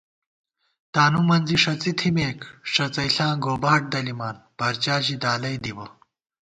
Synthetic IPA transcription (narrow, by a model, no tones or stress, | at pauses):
t̪aːnumɐnd͡ziʂɐt͡sit̪ʰimeːkʂɐt͡sɐjɬãːɡoːbaːʈ̚d̪ɐlimaːnpɐɾt͡ɕaːʑid̪aːlɐjd̪iwɐ